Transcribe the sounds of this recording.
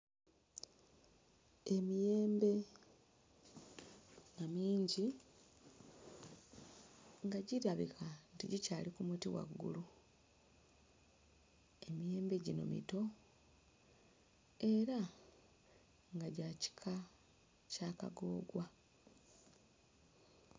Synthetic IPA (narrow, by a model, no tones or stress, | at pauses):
emije̞ːmbe̞ | namiːɲɟi | ŋɡaɟiɾaβikʰantiɟicaːlikumutiwa̰ɡːṵlu | e̞mije̞ːmbe̞ɟino̞̰mḭto̞ | e̞ɾa | ŋɡaɟaːci̥kʰa | caːka̰ɡo̞̰ːɡwa